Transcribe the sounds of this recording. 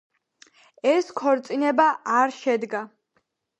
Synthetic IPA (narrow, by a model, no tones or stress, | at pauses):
ɛskʰɔɾt̪sʼinɛbaʔaɾʃɛd̪ɡa